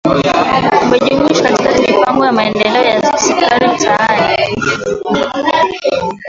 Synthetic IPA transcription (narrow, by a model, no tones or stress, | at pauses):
uɓɛʄuɲiʃɔkatikamipaŋɡɔjamaɛndɛlɛɔjasɛkaɾim̩taani